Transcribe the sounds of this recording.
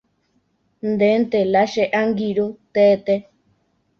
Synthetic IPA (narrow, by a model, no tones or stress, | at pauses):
nd̪ent̪elaʃeʔaŋɡiɾut̪et̪e